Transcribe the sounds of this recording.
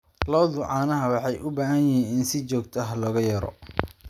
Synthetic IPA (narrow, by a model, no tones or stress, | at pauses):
lɔːðʊʕɑːnɐɦɐwɑħɑjʔʊbaːɦɐjɛhiːnɪnsɪt͡ʃɔːɡt̪ʰɐɦɐlɔːɣɐjɐɾɔ̰